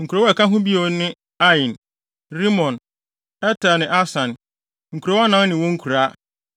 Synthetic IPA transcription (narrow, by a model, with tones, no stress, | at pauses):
ŋ̩˨kʰu˨ɾo˨˦wɔ˦ɛ˨ka˦ɦʊ̃˦bi˦o˨˦nɪ̃˦ | a˦ĩ˨n | ɾi˦mɔ̃˨n | ɛ˦tʰa˨nɪ̃˨ʔa˦sã˨n | ŋ̩˨kʰu˨ɾɔ˦ɔ˦nã˦n˦nɪ̃˨wɔ˦ŋ̩˦kʰu˨ɾa˦